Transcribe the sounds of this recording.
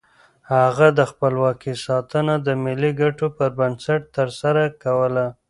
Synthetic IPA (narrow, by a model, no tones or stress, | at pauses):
haɣad̪əxpəlwɑkisɑt̪ənad̪əmɪliɡaʈopəɾbansaʈ̚t̪əɾsaɾakawəla